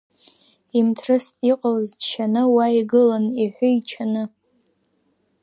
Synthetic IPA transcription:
imtʰrɨstʼiqʼawzʃʰanɨwaiɡɨlaniħʷʊit͡ʃʰanɨ

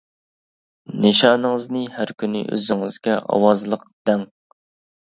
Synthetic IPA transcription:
neʃɑːnɨŋɨznɨhæɾkʲynɪ̰ʔø̰zɪŋɪz̥ɡʲɛʔɑ̰wɑzlˠəqd̪̥ɛŋ

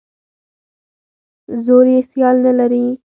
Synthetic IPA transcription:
zoːɾiesjaːlnɐlɐɾĩː

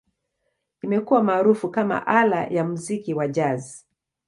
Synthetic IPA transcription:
imɛkuwamaːɾufukama̰ʔala̰jamuzikiwaʄazi

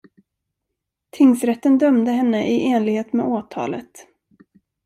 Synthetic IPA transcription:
t̪ʰɪŋsɾɛt̪ːənd̪œmd̪əɦɛnːəʔɪʔeːnlɪɡheːt̪mḛːoːt̪ʰɑ̰ːlə̰t̪

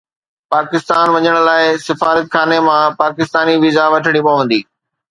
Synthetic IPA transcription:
paːkɪst̪aːnʋɐɲəɽ̃laːɪsɪfaːɾət̪xaːnemãpaːkɪst̪aːniʋɪzaʋɐʈʰəɽ̃ipɐʋə̃n̆d̪iː

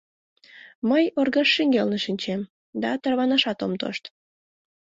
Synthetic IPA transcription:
məjorɣəʃːiŋɡelneʃinʲt͡ɕem | d̪ɑt̪ərβɑnəʃɑt̪omt̪o̰ʃt̪

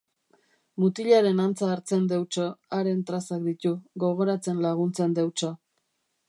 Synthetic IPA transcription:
mut̪iʎaɾe̞nant͡saːɾt͡se̞nd̪e̞wt͡ʃo̞aɾe̞nt̪ɾasak̚d̪it̪uɣo̞ɣ̞o̞ɾat͡se̞nlaɣ̞unt͡se̞nd̪e̞wt͡ʃo̞

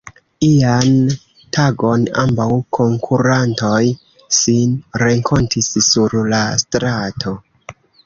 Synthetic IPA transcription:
lian | tʰaɡo̞na̰mbawkʰo̞ŋkʰuɾanto̞j | sinɾe̞ŋkʰo̞ntissuɾlastɾatʰo̞

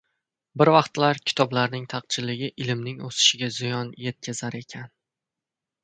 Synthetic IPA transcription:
bɪɾvɑqt̪laɾkʲʰɪ̥t̪ʰɒblaɾnɪŋt̪ʰɑq̚t͡ʃʰɪlɪɡʲɪʔɪlɪmnɪŋosɪ̥ʃɪɡʲazɪjɒnje̞t̪̚kʰʲazaɾe̞kʲʰan

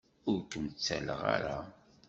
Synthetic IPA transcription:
ʊɾkəmt͡sːæləʁaɾa

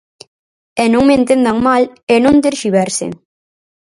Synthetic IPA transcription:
ɛnõŋmẽnt̪end̪aŋmalenõnd̪eɾʃiβɛɾsɪ̰

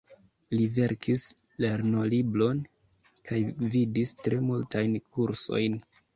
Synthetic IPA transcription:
live̞ɾkʰis | le̞ɾno̞liblo̞n | kajvidistɾe̞multajnkuɾso̞̰jn

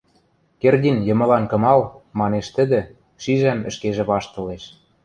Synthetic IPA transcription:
kerd̪ʲinjɤ̆mɤ̆lɑnkɤ̆mɑlmɑneʃt̪ə̆d̪ĕ | ʃiʒæmə̆ʃkeʒĕβɑʃt̪ɤ̆leʃ

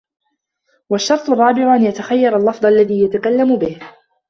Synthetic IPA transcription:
waʃːɑɾˤt̪ˤʊrˤːɑːbɪʕʊʔanjat̪axajːɑɾˤalːɑfd̪ˤalːaðiːjat̪akalːamʊbɪh

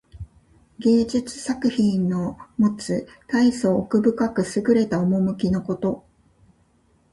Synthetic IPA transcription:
ɡʲe̞ːd͡ʑit͡sɨ̥sakɯ̟çĩnːo̞mo̞t͡sɨ | t̪aisoːkɯ̟bɯ̟kakɯ̟sɨɡɯ̟ɾe̞t̪aomo̞mɯ̟kʲino̞ko̞t̪o̞

